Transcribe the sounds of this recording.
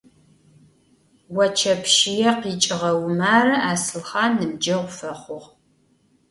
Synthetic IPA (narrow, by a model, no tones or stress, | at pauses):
wɐt͡ʃʰɐpʰʃijɛqiːt͡ʃʼɪʁɐwmaːrɨaːsɨlχaːnɨmd͡ʒɐʁʷʊfɐχʷʊʁ